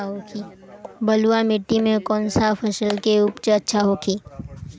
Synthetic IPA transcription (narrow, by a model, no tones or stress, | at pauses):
ɦokʰi | bɐluamɪʈːimẽkɔːnsapʰəʃəlkeʊpt͡ʃəɐtːʃʰaɦokʰiː